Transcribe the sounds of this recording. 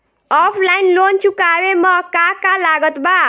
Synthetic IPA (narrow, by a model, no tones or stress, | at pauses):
ɔpʰlajnlont͡sʰukabemʌkakalaɡʌt̪ba